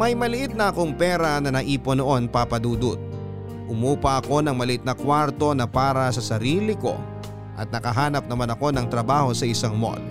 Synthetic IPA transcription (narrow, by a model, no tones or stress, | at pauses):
mɐjmɐlɪʔɪt̪̚nɐʔɐko̞ŋpɛːɾɐnɐnɐʔiːpo̞no̞ʔo̞npapɐd̪uːd̪ut̪̚ | ʔʊmuːpɐʔɐko̞nɐŋmɐlɪʔɪt̪̚nɐkwaɾt̪o̞nɐpaːɾɐsɐsɐɾiːlɪko̞̰ | ʔɐt̪̚nɐkɐɦaːnɐp̚nɐmanɐko̞nɐŋt̪ɾɐbaːho̞sɐɪsaŋmo̰l